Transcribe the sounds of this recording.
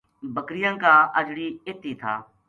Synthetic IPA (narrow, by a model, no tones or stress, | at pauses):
bəkɾɪjãːkaːəd͡ʒɽiːɪt̪iːt̪ʰaː